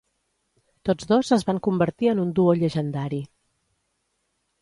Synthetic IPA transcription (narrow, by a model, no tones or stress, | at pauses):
t̪od͡zðozəzβaŋkumbəɾt̪iənund̪uoʎəʒənd̪aɾi